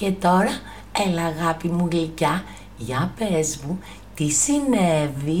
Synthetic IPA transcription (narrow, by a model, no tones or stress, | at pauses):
ce̞t̪o̞ɾɐ | elɐːɣɐpimulicɐ | ʝɐpe̞zmu | t̪isinevi